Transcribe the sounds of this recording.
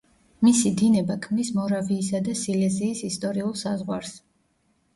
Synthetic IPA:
misid̪inɛbakʰmmnismɔɾaviːsad̪asilɛziːsist̪ʼɔɾiulˠsazʁwaɾs

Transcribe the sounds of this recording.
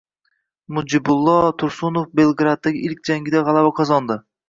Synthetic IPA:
mʊd͡ʒɪbʊlˠːɒt̪ʰʊɾsʊnofbelˠɡɾad̪̚ːaɡʲɪɪlkʲd͡ʒaŋɡʲɪd̪aʁɑlˠavaqʰɑzɒnd̪ɪ

